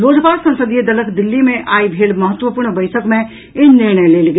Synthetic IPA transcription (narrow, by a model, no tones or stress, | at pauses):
loːd͡ʒpaːɾsɐ̃nsəd̪ied̪ɐləkʰd̪ɪlːimẽʔaːibʱeːlmɐɦət̪wəpʊːɾɳbɐɪʈʰəkmẽ | ɪnnːɪɾɳ̃əeleːlɡ